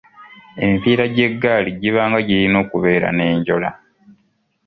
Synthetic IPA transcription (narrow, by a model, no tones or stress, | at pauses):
e̞̰mfiːɾaɟe̞ɡːaːliɟiβaːŋɡaɟilino̞ːkuβe̞ːɾa̰ne̞ːɲɟo̞la